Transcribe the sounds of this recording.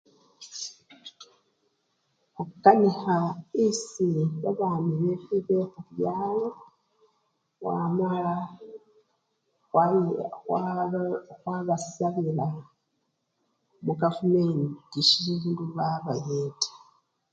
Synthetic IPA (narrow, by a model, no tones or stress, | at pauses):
okukanihaisiβaβaːmiɾefiβexuɾjaːwo | wa̰ːmala | waw | xwaβasaβiɾa | muɡavumendiʃiːnduβaβajeːtḁ